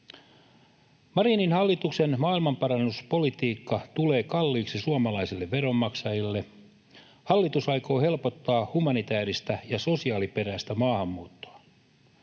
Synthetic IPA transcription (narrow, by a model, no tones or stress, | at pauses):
mɑrininhɑlːit̪uksenmɑːilmɑmpɑrɑnːuspo̞lit̪iːkːɑt̪ule̞ːkɑlːiːksisuɑmɑlɑisilːeʋːeɾo̞mːɑksɑjilːe̞ | hɑlːit̪usɑjko̞ːhe̞lpo̞t̪ːɑːhumɑnit̪æːɾist̪æjɑso̞siɑːlipe̞ræːst̪æmɑːhɑmːuːt̪ːo̥ɑ